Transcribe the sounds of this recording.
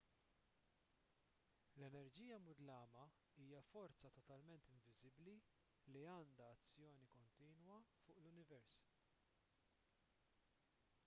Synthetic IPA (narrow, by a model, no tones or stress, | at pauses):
lɛnɛɾd͡ʒiːjɐmʊd̪lɐːmɐ | iːjɐfɔɾt͡sɐt̪ɔt̪ɐlmɛnt̪ɪɱvɪzɪbli | liɐːnd̪ɐːt͡sːjɔːnikɔnt̪iːnwɐfʊːʔlʊnɪvɛɾs